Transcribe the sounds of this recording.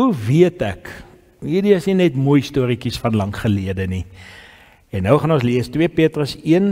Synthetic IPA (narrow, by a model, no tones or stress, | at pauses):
uviətæk | ɦiːdiəsninɛtmujstuəɾikisfɐnlɐŋχəliədəni | ɛnːəwχɐnõns̬liəstwiəpiətrəsiən